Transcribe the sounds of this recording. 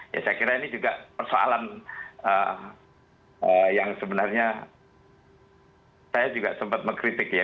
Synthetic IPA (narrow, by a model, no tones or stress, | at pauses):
ja̰sajakiɾainid͡ʒuɡapərsoa̰lanə | əjaŋsəbənarɲa | sajad͡ʒuɡasəmpat̪̚məŋkɾit̪ɪkja